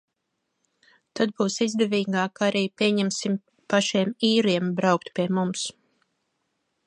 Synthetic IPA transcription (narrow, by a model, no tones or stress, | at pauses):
t̪ad̪̚buːsizd̪ɛviːɡaːkaɾiːpʲiɛɲɛmsim | paʃiɛmiːɾiɛmbɾawk̚t̪pʲiɛmums